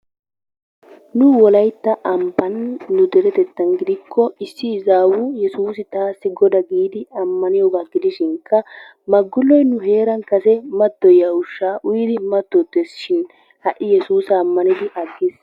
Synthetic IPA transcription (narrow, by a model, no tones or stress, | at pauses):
nʊwɔlɐjt̪ːɐʔɐmpɐnːʊd̪ɛɾɛt̪ɛt̪ːɐnɡɪd̪ɪkʰːɔɪsːɪːzaːwujɛsuːsɪt̪aːsːɪɡɔd̪ɐɡiːd̪ɪɐmːɐnɪjɔɡaːɡɪd̪ɪʃɪŋkːɐ | mɐɡːʊlːɔjnʊɦe̞ːɾɐnkɐsɛmɐt̪ːɔjɐʊʃːaːʔʊjɪd̪ɪmɐt̪ːɔt̪ːesʃɪn | hɐʔːɪjɛsuːsɐːmːɐnɪd̪ɪʔɐɡːɪs